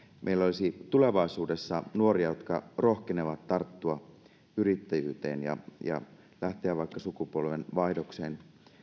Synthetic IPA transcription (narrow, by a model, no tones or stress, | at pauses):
mʔeilːæolisit̪uleʋɑisuːdesːɑnuoɾiɑjot̪kɑ̰rohkeneʋɑt̪tɑrt̪ːuɑ | yɾit̪ːæjy̰ːt̪ḛːnjɑ̰jɑ̰ | læht̪eæʋɑikːɑsukupolʋenʋɑidoksḛːn